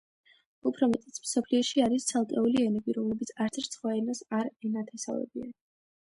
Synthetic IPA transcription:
upʰɾɔmɛt̪ʼɛ̥sʰmsɔpʰliɔʃiaɾist̪sʰalˠk̪ʼɛuliɛnɛbiɾɔmlɛbit̪sʰaɾt̪sʰɛɾt̪sʰχwaɛnasaɾɛnat̪ʰɛsa̰vɛ̰bḭan

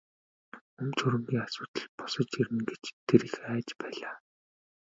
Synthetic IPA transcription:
ɵmt͡sʰɵɾɵ̆mɡ̪iːŋasʊːt̪ə̆ɮpʊ̥sə̆t͡ɕirmɘ̆ŋɡet͡ɕt̪ʰːeɾĭxæːt͡ɕpæːɮaː

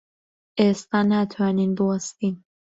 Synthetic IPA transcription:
ʔeːst̪aːnat̪ʰwaːniːnbɨwɐst̪iːn

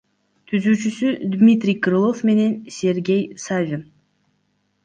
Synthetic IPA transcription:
t̪ʰyzyːt͡ʃysyd̪mʲit̪ɾʲijkɾɨlˠo̞fme̞ne̞nsʲe̞ɾɡʲe̞jsavʲɪn

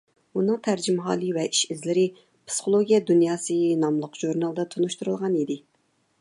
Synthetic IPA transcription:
unɨŋt̪ʰæɾd͡ʒimɦɑ̰ːlˠɨvɛʔiʃizlɪɾɪ | pʰsɨ̥χolˠoɡʲijɛd̪unjɑːsɨnɑmlˠʊqʒ̥uɾnɑlˠd̪ɑt̪ʰonuʃt̪uɾulˠʁɑnid̪ɪ

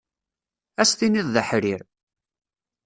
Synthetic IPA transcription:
æsθiniðˤðəħɾiɾ

